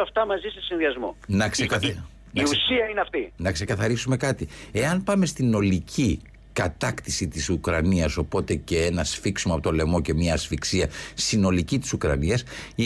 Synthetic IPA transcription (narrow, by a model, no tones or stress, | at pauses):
ɐft̪ɐmɐzisesinðiɐzmo̰nɐkse | nɐiusiɐineɐft̪inɐkse̞kɐθɐɾisume̞kɐt̪ie̞ɐnpɐmest̪ino̞licʰi | kɐt̪ɐkt̪isit̪isukɾɐniɐso̞po̞t̪e̞ce̞enɐsfiksimoɐpo̞t̪olemo̞ce̞miɐːsfiksiɐstino̞licit̪i̥sukɾɐ̰niɐs